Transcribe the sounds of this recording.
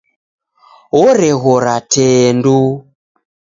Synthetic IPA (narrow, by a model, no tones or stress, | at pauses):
ɔɾɛɣɔɾatʰɛːndu